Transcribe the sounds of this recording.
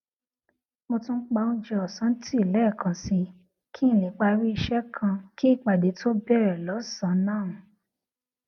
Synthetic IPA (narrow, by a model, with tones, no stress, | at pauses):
mo˧tũ˦n̩˦k͡pa˧o˧d͡ʒɛ˧ɔ˨sã˨˦n̩˦ti˦˨lɛ˨˦˨kʰã˧si˧ | kʰi˦˨lĩ˨˦k͡pa˧ɾi˦i˧ʃɛ˦kʰã˧ki˦i˦˨k͡pa˨de˨˦tʰo˦bɛ˦˨ɾɛ˨lɔ˨˦sã˨˦nãː˦˨nũ˨˦